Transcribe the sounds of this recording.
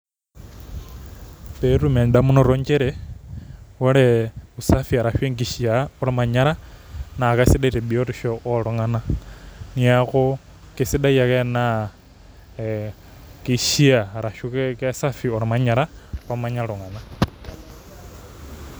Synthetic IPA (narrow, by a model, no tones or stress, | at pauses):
peɾumaɲdamunoɾoɲd͡ʒeɾe | woɾeusafiaɾaʃweŋɡiʃiaoɾamaɲaɾanakasidaɾebiotiʃooɾuŋananiako | kesidaiakena | kiʃiaɾaʃukekesafioɾamaɲaɾapamaɲaluŋana